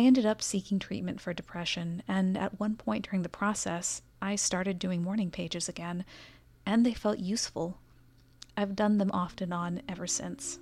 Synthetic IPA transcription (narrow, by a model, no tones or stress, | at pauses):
aɪɛ̃ndɨɾʌpsikɪ̃ŋtʰɹ̥ḭt̚mɨ̃ntfə˞dɨpʰɹ̥ɛʃɨ̃nɨ̃nɨ̰ʔ̚wʌ̃npʰɔ̃ɪ̃nd̥ʊɹɪ̃ŋðɨpʰɹ̥ɔsɛ̰s | ʔaɪstɑɹɾɨdʉɪ̃ŋmɔɹnɪ̃ŋpʰeɪd͡ʒɨzɨɡɛ̃n | ɨ̃nðeɪfɛlˠʔjʉsfl̩ˠ | aɪvdʌ̃nðɨ̃mʔɑftɨ̃nə̃nɛvə˞sɪ̰̃ns